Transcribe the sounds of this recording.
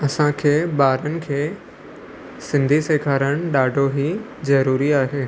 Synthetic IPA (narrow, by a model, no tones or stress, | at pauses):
ɐsãkʰeːɓaːɾənɪ̆kʰeː | sɪ̃nd̪ʱiseːkʰaːɾəɽ̃ɗaːɖʱoɦi | zɐɾuːɾiaːɦeː